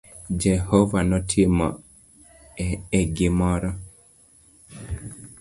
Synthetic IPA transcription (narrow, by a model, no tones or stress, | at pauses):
d͡ʒɛhɔvanɔtʰemɔ̰ | ɛɡɪmɔɾɔ